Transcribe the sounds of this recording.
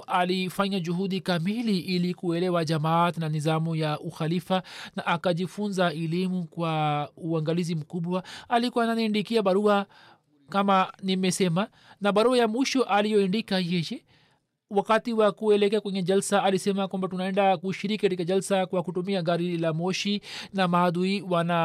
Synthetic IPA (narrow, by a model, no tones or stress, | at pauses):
ʔalifaɲaʄuɦuɗikamiliʔilikuɛlɛwaʄamaːtnanizamujaʔuxalifanaʔːkaʄifunzaɛlimukwauaŋɡalizim̩kuɓwaalikuwananindikiaɓaɾua | kamanimɛsɛma | naɓaɾuajamwiʃɔʔalijɔindikajɛjɛ | wakatiwakuɛlɛkɛakwɛɲɛʄalsaalisɛmakwambatunaɛndakuʃiɾikikatikaʄalsakwakutumiaɡaɾilamɔʃinamaːðuiwana